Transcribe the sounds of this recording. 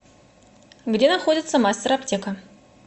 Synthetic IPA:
ɡdʲe̞naxo̞dʲɪt̪səmasʲtʲeɾɐptʲe̞kə

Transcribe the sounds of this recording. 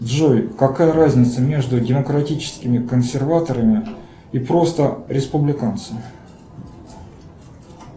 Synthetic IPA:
ʐojkɐkajəɾazʲnʲɪt̪səmʲe̞ʐd̪ʊdʲɪməkɾɐtʲit͡ɕɪ̥skʲɪmʲɪkənsʲɪrvat̪əɾəmʲɪ | ipɾo̞st̪əɾʲɪspʊblʲɪkant̪səmʲɪ

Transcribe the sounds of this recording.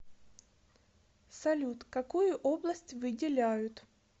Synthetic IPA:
sɐlʲut̪kɐkujʊʔoblˠəsʲtʲvɨdʲɪlʲæjʊt̪

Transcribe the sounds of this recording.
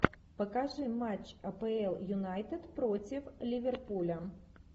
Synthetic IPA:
pɐkaʐɨmat͡ʃɐpɛɛlˠjunajt̪ɛt̪pɾɔt͡sʲiflʲivʲɛrpulʲɐ

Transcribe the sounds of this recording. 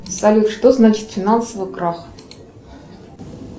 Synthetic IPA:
salʲut̪ʂt̪oznat͡ɕɪ̥t̪fʲɪnansəvɨkrax

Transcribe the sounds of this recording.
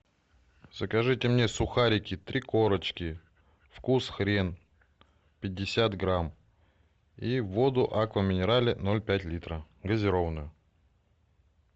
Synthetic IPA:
z̥əkɐʐɨtʲɪmnʲesʊxaɾʲɪkʲɪt̪ɾʲiko̞ɾət͡ɕkʲɪ | fkusxɾʲe̞n | pʲɪdʲːɪsʲat̪ɡɾam | ivo̞d̪ʊʔakvəmʲɪnʲɪɾalʲɪno̞lʲpʲætʲlʲit̪ɾə | ɡəzʲɪɾo̞vənʊjʊ

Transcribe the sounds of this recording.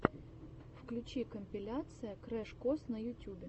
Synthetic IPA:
fklʲʉt͡ɕikəmʲpʲɪlʲat̪sɨjəkɾɛʂkosnɐjʊtʲubʲɪ

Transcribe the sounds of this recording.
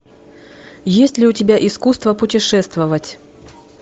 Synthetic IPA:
jesʲtʲlʲɪʊtʲɪbʲaʔɪskust̪vəpʊtʲɪʂɛst̪vəvətʲ

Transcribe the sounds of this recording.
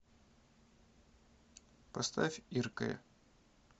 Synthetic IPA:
pɐst̪afʲirkə̰jə̰

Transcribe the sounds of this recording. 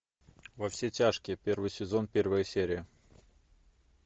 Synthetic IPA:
vɐfsʲetʲaʂkʲɪpʲe̞rvɨjsʲɪzo̞npʲe̞rvəjəsʲeɾʲɪjə

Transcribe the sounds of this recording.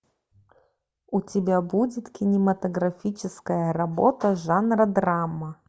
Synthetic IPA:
ʊtʲɪbʲabudʲɪt̪kʲɪnʲɪmɐt̪əɡɾɐfʲit͡ɕɪskəjəɾɐbot̪əʐanrəd̪ɾamːə

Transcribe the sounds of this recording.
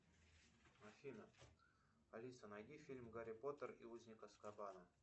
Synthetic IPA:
mɐfʲinə | pɐlʲit̪sənɐjd̪ʲifʲilʲmɡaɾʲɪpot̪ərḭuzʲnʲɪkəskɐbanə

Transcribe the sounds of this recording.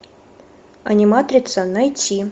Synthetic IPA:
ɐnʲimat̪ɾʲit̪sənɐjtʲi

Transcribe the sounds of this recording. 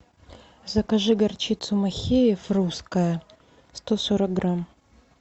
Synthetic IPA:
zɐkaʐɨɡɐrt͡ʃit̪sʊmɐxʲejɛfruskɐjɐ | st̪osoɾɐk̚ɡram

